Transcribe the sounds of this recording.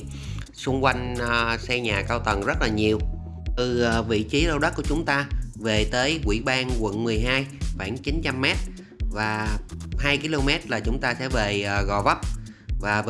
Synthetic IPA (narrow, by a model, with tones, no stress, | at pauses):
sʊ˧ŋ͡mkwa˧jŋ̟˨˩sɛ˧ɲaː˨˩kaː˧wt̪ə˨˩nzə˦˥t̚laː˨˩ɲi˨˩əw | t̪ɨ˨˩˨vḭ˧˨t͡ɕi˨˦ɗə˧wɗə˦˥kət͡ɕʊ˨˦ŋ͡mt̪aː˧ve˨˩t̪əː˨˦jkwḭ˧˩˥ɓaː˧ŋkwə̰˧˨nmɨ˨˩əjɦaː˧jxwaː˧˩ŋt͡ɕi˨˦nt͡ɕa˧mːɛ˦˥t̚ | vaː˨˩haː˧jki˧lo˧mɛ˦˥t̚laː˨˩t͡ɕʊ˨˦ŋ͡mt̪aː˧sɛ̰˧˥veː˨˩˨ɣɔ̰˧˩və˦˥p̚vaː˨˩v